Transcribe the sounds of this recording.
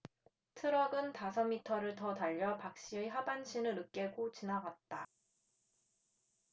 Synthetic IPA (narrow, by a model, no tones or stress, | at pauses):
tʰɯɾʌɡɯntasʰʌmitʰʌɾɯɭtʌtaʎːʌpak̚ɕ͈iɯɦabanɕʰinɯɾɯk͈e̞ɡot͡ɕinaɡat̚t͈a